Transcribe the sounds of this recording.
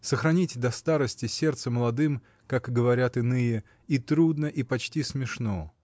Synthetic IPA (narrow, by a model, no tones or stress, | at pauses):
səxɾɐnʲitʲd̪ɐst̪aɾəsʲtʲɪsʲe̞rt̪səməlˠɐd̪ɨm | kakɡəvɐɾʲat̪ɨnɨjɪ | it̪ɾud̪nəʔipɐt͡ɕtʲismʲɪʂno